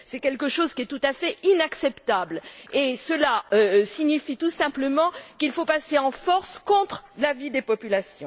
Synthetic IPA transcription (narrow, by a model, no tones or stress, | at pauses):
sɛkʲɛlkəʃozkʲiɛt̪ut̪afɛinaksɛpt̪ablesəlaøsiɲifit̪usɛ̃pləmɑ̃kilfopaseɑ̃fɔʁskɔ̃t̪χlavid̪epɔpylasjɔ̃